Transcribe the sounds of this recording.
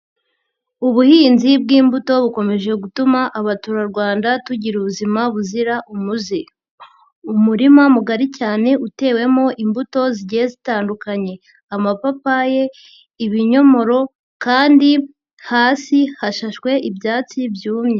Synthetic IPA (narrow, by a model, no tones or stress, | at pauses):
uβuhiːnzib̚ɡiːmbuto̞βuko̞me̞ʒe̞ɡutumaʔaβatuɾaɾɡwaːndatuɟiɾuβuzimaβuziɾaʔumuzi | umuɾimamuɡaɾicaːne̞ʔute̞ːwe̞mo̞ʔimbuto̞ziɟeezitaːndukaɲe̞ | amapapaje̞ | iβiɲo̞mo̞ɾo̞ | kaːndi | haːsihaʃaʃkwe̞ʔibjaːt͡sibjuːmɲe